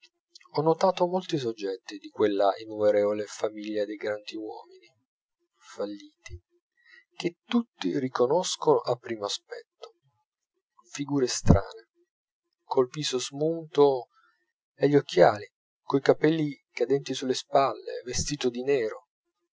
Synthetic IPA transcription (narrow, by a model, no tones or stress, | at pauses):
ɔnːot̪aːt̪omolt̪is̬od͡ʒːɛt̪ːid̪ikwelːaʔinːumeɾɛːvolefamiʎːad̪ejɡɾand̪iwɔ̰ːmini | falːiːt̪i | k̟et̪ːut̪ːirikonɔskonʔapːɾiːmoaspɛt̪ːo̥ | fiɡuːɾest̪ɾa̰ːne | kʰolpiːsozmunt̪o | eʎːok̟ːjaːli | koikapɛlːi | kad̪ɛnt̪isulːespalːḛvest̪iːt̪od̪inɛːɾo